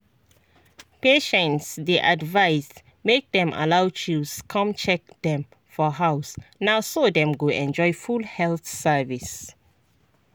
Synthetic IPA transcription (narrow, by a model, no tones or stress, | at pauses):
peʃɛ̃ntsdeʔadvaɪs | mek̚dɛ̃mʔa̰lawt͡ʃuskʰɔ̃mt͡ʃɛk̚dɛ̃m | fɔɦaʊsnaʊsodɛ̃mɡoʔɛ̃nd͡ʒɔjfulhɛlθsəvis